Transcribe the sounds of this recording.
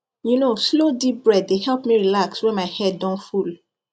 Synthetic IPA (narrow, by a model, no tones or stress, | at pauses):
junoslodip̚bɹɛdːehɛlpmiɹilakswɛmaɪhɛdːɔ̃nful